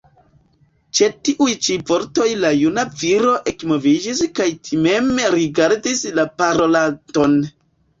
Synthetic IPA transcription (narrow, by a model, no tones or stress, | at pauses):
t͡ʃe̞tiʔujt͡ʃivo̞ɾto̞jlajunaviɾo̞ʔe̞kmo̞vid͡ʒiskajtʰime̞mɾiɡaɾdislapaɾo̞lato̞n